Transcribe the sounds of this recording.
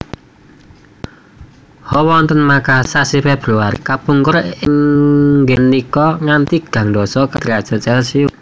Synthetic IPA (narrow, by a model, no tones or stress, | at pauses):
hɔwɔnt̪ənmakasasifɛb̥ɾuarkapuŋkʊɾɪŋɡɛnːikɔŋant̪iɡ̥ä̤ŋd̪ɔsɔkəd̪ɾiḁt͡ʃə̤t͡ʃɛlsiu